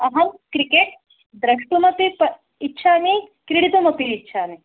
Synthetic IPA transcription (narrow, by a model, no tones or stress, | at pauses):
ɐɦɐmkɾikeːʈ̚ | d̪ɾɐʂʈumɐpipɐ | itːʃʰaːmikɾiɽit̪umɐpiːtːʃʰaːmi